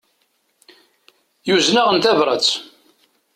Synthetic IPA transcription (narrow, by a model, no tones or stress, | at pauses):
juznaʁənt̪ævɾˤə̰t͡s